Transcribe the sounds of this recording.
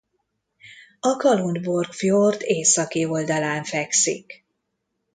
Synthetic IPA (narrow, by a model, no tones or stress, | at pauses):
ɒkɒlund̪bo̞rkfjort̪ʰeːsɒkio̞ld̪ɒlaːɱfɛksḭk